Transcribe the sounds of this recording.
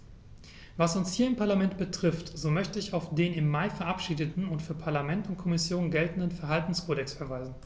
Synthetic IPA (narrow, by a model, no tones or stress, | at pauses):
vasʊnshiːɐɪmpʰaɐlamɛntb̥ətʁ̥ɪftz̥oːmœçtəɪçaʊfd̥eːnɪmːaɪfɛɐʔapʃiːdətn̩ʊntfyːɐpʰaɐlamɛntʊnt̚kʰɔmɪsjoːnɡɛltn̩dənfɛɐɦaltn̩skʰoːɾɛksfɛɐvaɪzn̩